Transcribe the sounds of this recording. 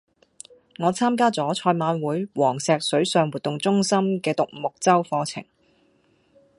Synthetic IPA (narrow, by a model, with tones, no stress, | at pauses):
ŋɔː˨˧t͡sʰaː˥mk̬aː˥t͡sɔː˨˥t͡ʃʰɔː˧jmaː˨˧˥nwuː˨˥jwɔː˨˩ŋsɛː˨˧k̚sɵ˨˥ɥsœː˧ŋwuː˨t̪ːʊ˨ŋt͡sʊ˥ŋsɐ˥mkɛː˧t̪ʊ˨k̚mʊ˨k̚t͡sɐ˥wfɔː˧t͡sʰɪ̰˨˩ŋ